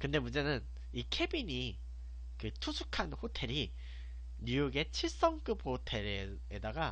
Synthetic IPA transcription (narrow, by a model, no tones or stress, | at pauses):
kɯnde̞mund͡ʑe̞nɯn | ikʰe̞biɲi | kɯtʰusʰukʰanɸotʰe̞ɾi | ɲujoɡe̞t͡ɕʰiɭs͈ʌŋk͈ɯp̚hotʰe̞ɾe | edaɡa